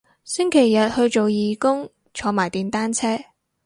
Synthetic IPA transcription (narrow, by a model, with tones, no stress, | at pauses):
sɪ˥ŋkʰe˨˩jːɐ˨t̚hɵ˧ɥt͡so˨wjiː˨kʊ˥ŋ | t͡ʃʰɔː˨˧maː˨˩jt̪iː˨nt̪aː˥nt͡sʰɛː˥